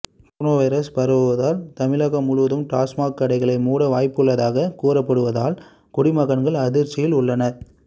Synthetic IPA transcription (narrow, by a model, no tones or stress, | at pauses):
punoːʋɐɪɾɐspɐɾɐʋɯʋɐðaːlt̪ɐmɪlɐɣɐmʊɻʊʋɐðɯmʈaːsmaːkːɐɽɐɪɣɐɭɐɪmuːɽɐʋaːjpːɯɭːɐðaːɣɐkuːɾɐpːɐɽɯʋɐðaːl | kʊɽɪmɐɣɐnɡɐɭɐðɪɾt͡ʃɪjɪlʊɭːɐnɐ